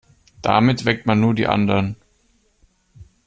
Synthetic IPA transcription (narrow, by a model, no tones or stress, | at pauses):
d̥a̰mɪtv̥ɛk̚tmanːuːɐdḭːʔa̰ndɐʁn